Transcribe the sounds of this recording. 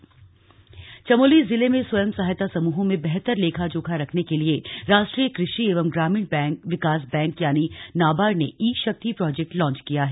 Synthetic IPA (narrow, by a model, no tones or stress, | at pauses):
t͡ʃɐmoːlizɪlemẽswɐjəmsaɦjt̪asɐmuːɦõmẽbɛɦt̪əɾleːkʰad͡ʒoːkʰaɾɐkʰnekelieɾaːʃʈɾiːəkɾɪʃieːʋəmɡɾaːmiɳbɛʋɪkaːs̬bɛ̃ːŋkjaːninaːbaːɾneʔiːʃɐk̚t̪ipɾɔːd͡ʒek̚ʈlɔ̃ːnt͡ʃkijaɦɛ